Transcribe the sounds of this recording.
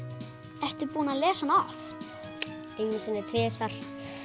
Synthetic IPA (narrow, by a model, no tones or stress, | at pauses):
ɛr̥t̪ʏɾpuːnaðlɛːsanɔft̪ | ejnsɛnːɪt̪ʰvɛːsfar̥